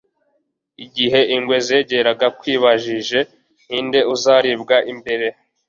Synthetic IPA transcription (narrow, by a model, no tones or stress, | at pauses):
iɟiɦe̞ʔiŋɡwe̞zeːɟe̞ɾaɡakwiːβaʒiʒe̞ | ninde̞uzaɾibɡaʔimbe̞ɾe̞